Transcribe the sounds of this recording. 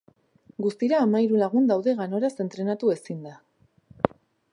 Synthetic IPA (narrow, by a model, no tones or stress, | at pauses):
ɡust̪iɾaːmaiɾulaɣ̞und̪awðe̞ɣano̞ɾase̞nt̪ɾe̞nat̪ue̞sind̪a